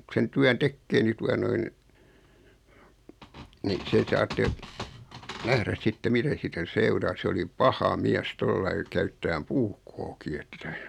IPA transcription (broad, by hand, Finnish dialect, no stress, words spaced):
sen tyæn tekːeː ni tuɑ noin ni se sɑːtːe næhræs sitːe mitæ siːtæ seurɑː se oli pɑhɑ miæs tolːɑi kæytːæːm puːkːoːki e̥tːæ̥